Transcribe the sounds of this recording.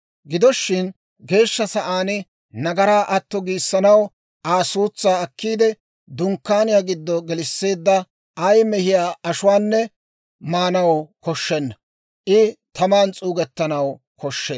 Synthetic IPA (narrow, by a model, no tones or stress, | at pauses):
ɡɪd̪ɔʃːɪn | ɡe̞ːʃːɐsɐʔaːnɪ | nɐɡɐɾaːʔɐt̪ːɔɡiːsːɐnɐw | ʔaːsuːt͡sːaːɐkːiːd̪ɛ | d̪ʊŋkːaːnɪjaːɡɪd̪ːɔɡɛlɪsːe̞ːd̪ːɐ | ɐjmɛhɪjaːɐʃʊwaːnːɛ | maːnɐwkɔʃːɛnːɐ | ʔɪt̪ɐmaːnt͡sʼuːɡɛt̪ːɐnɐw | kɔʃːeː